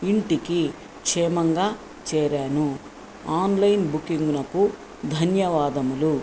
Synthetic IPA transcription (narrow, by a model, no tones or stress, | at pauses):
iɳʈiki | kʂɛːmɐŋɡaː | t͡ʃɛːɾaːnu | aːnlɐjnbukiŋɡunɐku | d̪ʱɐnjɐʋaːd̪ɐmulu